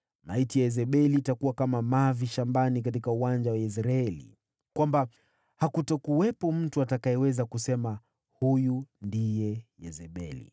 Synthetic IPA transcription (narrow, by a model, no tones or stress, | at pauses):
ma̰itiaɛzɛɓɛliːtakuwakamamaviʃambanik̬atikauwand͡ʒawais̬ɾaɛlḭ | kwamba | hakutɔkuwɛpɔm̩tuatakajɛwɛzakusɛma | hujundijɛjɛzɛɓɛlḭ